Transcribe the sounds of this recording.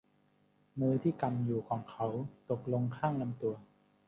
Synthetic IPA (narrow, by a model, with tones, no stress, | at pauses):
mɯː˧t̪ʰiː˥˩ka˧mjuː˨˩kʰɔː˩˦ŋkʰa˦˥wt̪o˨˩k̚lo˧ŋkʰaː˥˩ŋna˧mt̪u˧ɐ